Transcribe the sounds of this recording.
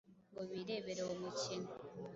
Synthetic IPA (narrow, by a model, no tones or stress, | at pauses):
ŋɡoβiːɾe̞ːβeɾeomucin